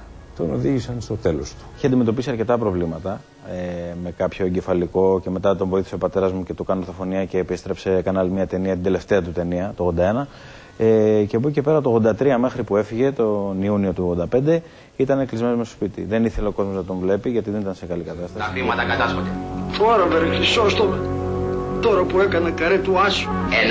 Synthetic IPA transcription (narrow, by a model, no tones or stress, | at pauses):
t̪o̞noðiʝisɐnst̪o̞t̪e̞lo̰st̪u̥içiɐnd̪ime̞t̪o̞p̬isiɐɾce̞t̪ɐpɾo̞vlimɐt̪ɐ | eme̞kɐpço̞eɲɟe̞fɐliko̞ce̞me̞t̪ɐt̪o̞ɱvo̞iθi̥seopɐt̪e̞ɾɐzmuce̞t̪ukɐnoθofo̞niɐce̞pist̪ɾepse̞kɐnɐlimɲɐt̪e̞niɐt̪ind̪ele̞ft̪e̞ɐt̪ut̪e̞niɐt̪oɣod̪ɐe̞nɐ | ecebuce̞pe̞ɾɐt̪oɣðod̪ɐt̪ɾiɐme̞xɾipue̞fiʝe̞t̪o̞niunio̞t̪uɣðod̪ɐpe̞nd̪e̞ | it̪ɐneklizmenozmsto̥spit̪ḭðe̞niθe̞le̞oko̞zmo̞znɐt̪o̞ɱvle̞piʝɐt̪iðe̞nit̪ɐnsekɐlikɐt̪ɐst̪ɐsfimɐt̪ɐkɐt̪ɐsxod̪efoɾɐveɾeçisoɐst̪omet̪t̪oɾɐpuekɐnekɐɾet̪uɐsu̥e